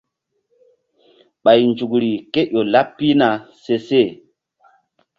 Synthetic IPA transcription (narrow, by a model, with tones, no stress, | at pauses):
ɓa˨jnd͡ʒu˨kɾi˨ke˦ʔo˨la˦pːi˦na˨se˨se˦˨